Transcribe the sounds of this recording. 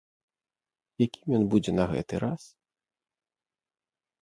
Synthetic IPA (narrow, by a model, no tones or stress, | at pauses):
jakʲimʲjɔnbud͡zʲɛnɐɣɛ̰t̪ɨɾas